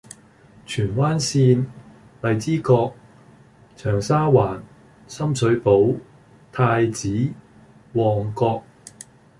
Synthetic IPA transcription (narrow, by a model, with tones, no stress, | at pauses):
t͡ʃʰyː˨˩nwaː˥nsiː˧n | lɐ˨jt͡siː˥kɔː˧k̚ | t͡ʃʰœː˨˩ŋsaː˥waː˨˩n | sɐ˥msʰɵ˨˥ɥpo˨˥w | t̪ʰaː˧jt͡siː˨˥ | wɔː˨˩ŋkɔː˧k̚